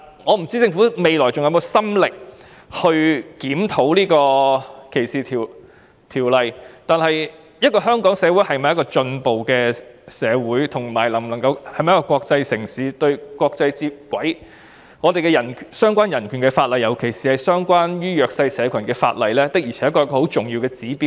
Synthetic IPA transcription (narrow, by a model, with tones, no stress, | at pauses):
ŋɔː˨˧m̩˨˩t͡siː˥t͡sɪ˧ŋfu˨˥me˨jlɔː˨˩jt͡sʊ˨ŋjɐ˧˥m˧wsɐ˥mlɪ˨k̚ | hɵ˧ɥkiː˨˥mt̪ʰo˨˥wliː˥kɔː˧kʰe˨˩jsiː˨t̪ʰi˨˩ | t̪ʰiː˨˩wlɐ˨jt̪aː˨nhɐ˨j | jɐ˥t̚kɔː˧ɦœː˥ŋkɔː˨˥ŋsɛː˨˧wuː˨˥jhɐ˨jmaː˨jɐ˥kɔː˧t͡ʃɵ˧npo˨wkɛː˧sɛː˨˧wuː˨˥jt̪ʰʊ˨˩ŋmaː˨˩jlɐ˨˩m˨nlɐ˨˩ŋkɐ˧whɐ˨˩jm˨jkɔː˧kwɔː˧k̚t͡sɐ˧jsɪ˨˩ŋsiː˨˥t̪ɵ˧ɥkʷwɔː˧k̚t͡sɐ˧jt͡siː˧p̚kʷwɐ˨˥j | ŋɔː˨˧t̪e˨jkɛ˧jɐ˨˩nkʰsœː˥ŋkʷaː˥njɐ˨˩nkʰyː˨˩nkɛ˧faː˧t̚lɐ˨jɐ˨˩wkʰe˨˩jsiː˨hɐ˨jsœː˥ŋkʷaː˥njyː˥jœː˨˧k̚sɐ˧jsɛː˨˧kʰɐ˨˩nkɛː˧fa̰ː˧t̚lɐ˨jlɛː˥t̪ɪ˥k̚jiː˨˩ɛː˨˥jɐ˥kɔː˧ɐ˥kɔː˧ho˨˥wt͡sʊ˨ŋjiː˧wkɛː˧t͡siː˨˥piː˧˥